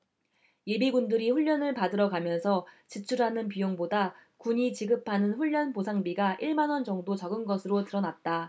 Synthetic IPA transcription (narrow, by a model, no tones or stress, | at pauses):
jebiɡundɯɾiɸuʎːʌnɯɭpadɯɾʌɡamjʌnsʰʌt͡ɕit͡ɕʰuɾɦanɯnpijoŋbodakuɲit͡ɕiɡɯpʰanɯnɸuʎːʌnposʰaŋbiɡaʔiɭmanwʌnd͡ʑʌŋdot͡ɕʌɡɯnɡʌsʰɯɾotɯɾʌnat̚t͈a